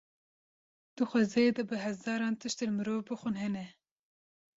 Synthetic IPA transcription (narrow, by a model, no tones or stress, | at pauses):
d̪̥uxʷɛzejed̪ɐbɨɦɛzɑːɾɑːnt̪ʰɨʃt̪elmɨɾoːvbɨxʷɨnhɛnɛ